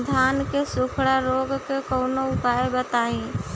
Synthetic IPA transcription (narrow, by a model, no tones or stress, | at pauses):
d̪ʱaːnkesʊkʰɽaɾoːɡkekoʊnoʊpaːebət̪aːĩ